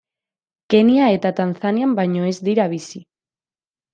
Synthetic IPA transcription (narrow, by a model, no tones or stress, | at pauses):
ke̞niae̞t̪at̪anθaniambajɲo̞e̞zd̪iɾaβisi